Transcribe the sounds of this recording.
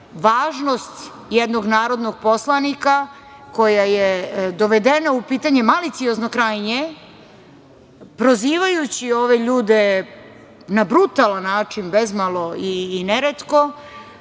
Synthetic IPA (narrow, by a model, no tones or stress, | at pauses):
ʋaːʒno̞st̪ | jɛd̪no̞ɡnaːɾo̞d̪noɡ̚po̞slˠanika | ko̞jajed̪o̞ʋed̪e̞naupiːt̪aɲe̞malit̪sio̞zno̞kɾajɲe | pɾoziːʋajut͡ɕio̞ʋe̞ʎuːd̪e | nabɾut̪alˠanːaːt͡ʂinbezmalˠo̞iːneɾet̪ko̞